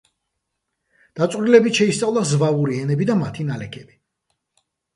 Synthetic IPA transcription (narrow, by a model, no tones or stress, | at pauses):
d̪̥at̪sʼɾilɛbit̪ʃɛist̪sʼavlˠazvauɾiɛnɛbid̪amat̪ʰinalɛkʰɛb̥i